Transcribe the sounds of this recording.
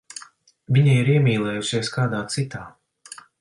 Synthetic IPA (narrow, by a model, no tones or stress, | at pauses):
vʲiɲajiɾiɛmʲiːlˠɛːjusiɛskaːd̪aːt̪sit̪aː